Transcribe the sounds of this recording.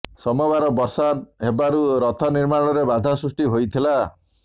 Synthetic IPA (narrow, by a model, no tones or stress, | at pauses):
sɔmɔbaɾɔbɔɾsanɦebaɾuɾɔt̪ʰɔniɾmaɽ̃ɔɾebad̪ʱasɾusʈiɦojt̪ʰila